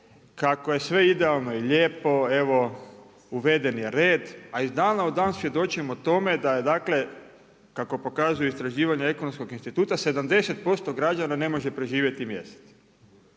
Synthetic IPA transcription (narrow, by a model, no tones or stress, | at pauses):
kako̞je̞sʋe̞id̪e̞alˠno̞iʎeːpo̞e̞ʋo | uʋe̞d̪e̞njeɾeːd̪aizd̪aːnaod̪ːaːnsʋje̞d̪o̞t͡ʃiemot̪o̞me̞d̪ajed̪aːkle̞ | kako̞po̞kazujeist̪ɾaʒiːʋaɲeekonomsko̞ɡinst̪it̪uːt̪ase̞d̪amd̪e̞set̪̚po̞st̪o̞ɡɾad͡ʒanane̞mo̞ʒe̞pɾe̞ʒiːʋjet̪imje̞̰st̪e̥t̪